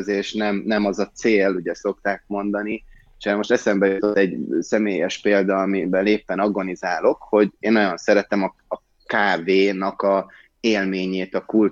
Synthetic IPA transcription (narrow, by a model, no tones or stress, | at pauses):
zeːʃnɛmnɛmɒzɒt̪seːlːuɟɛso̞kt̪aːk̚mo̞nd̪ɒni | ʃɛːɾmo̞ʃt̪ɛsɛmbɛjut̪ot̪ːɛɟsɛmeːjɛʃpeːld̪ɒɒmibɛleːpːɛnɒɡo̞nizaːlo̞kho̞ɟeːnojonsɛɾɛt̪ɛmɒ | ɒ | kaːveːnɒkɒ | eːlmeːɲeːt̪ɒkul